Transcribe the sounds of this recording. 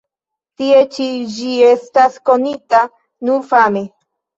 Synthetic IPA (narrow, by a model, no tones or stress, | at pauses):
t̪iet͡ʃid͡ʒiest̪askonit̪a | nuɾfame